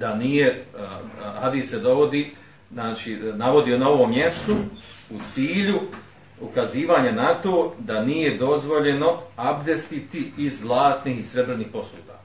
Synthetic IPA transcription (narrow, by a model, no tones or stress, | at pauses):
d̪aniːje̞ | had̪iːsse̞d̪o̞ʋo̞d̪iː | naːt͡ʃinaʋo̞d̪ionao̞ʋo̞mje̞st̪out̪siːʎu | ukaziːʋaːɲanat̪o̞ːd̪aniːje̞d̪o̞zʋo̞ʎe̞no̞abd̪e̞st̪it̪iizlˠaːt̪niːhisɾe̞bɾe̞niːhpo̞slˠuːd̪a̰ː